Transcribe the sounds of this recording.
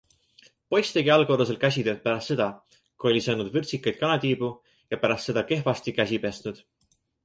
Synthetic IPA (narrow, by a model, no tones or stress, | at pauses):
po̞jst̪e̞ɡiɑlɡ̥o̞ɾus̬e̞lkæs̬ʲid̪ed̪̥̚pæɾɑst̪se̞d̪̥ɑ | kuo̞lʲisɤːnud̪vɯrt̪sikːˑɑjd̪̥̚kɑnɑt̪iːb̥u | jɑpæɾɑst̪se̞d̪ɑke̞ɦvɑst̪ikæs̬ʲipest̪nud̪̥